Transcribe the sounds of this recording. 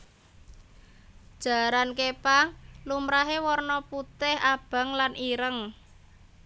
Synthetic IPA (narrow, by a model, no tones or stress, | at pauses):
d̥ʒ̥a̤ɾankepalumɾaɦewɔrnɔput̪ɪhab̥a̤ŋlanʔiɾəŋ